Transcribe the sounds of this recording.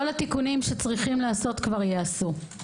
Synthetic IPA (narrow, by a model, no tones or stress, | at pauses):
olat̪ikunimʃet͡sʁiχimlaːso̞t̪kvaʁjeasu